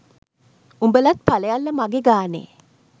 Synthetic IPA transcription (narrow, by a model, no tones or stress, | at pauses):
umbəlat̪̚paləjalːəmaɡeɡaːnḛː